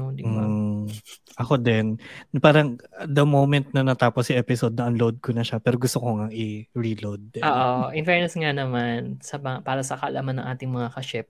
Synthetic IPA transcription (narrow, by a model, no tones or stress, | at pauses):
nod̪ɪm̩mː | ʔɐko̞d̪ɛnpaːɾɐŋɐt̪̚d̪ɐmowmɛnt̪̚nɐnɐt̪aːposɐʔɛpɪsod̪̚nɐʔɐnlowd̪̚konɐʃapɛːɾo̞ɡʊst̪okoŋɐŋɪɹilowd̪̚ʔoːʔoʔɪnfɛɹnɐsŋanɐmansɐmɐŋpaːɾɐsɐkɐʔɐlʔaːmɐnːɐ̰ŋʔaːt̪ɪŋmɐŋakɐʃɛp̚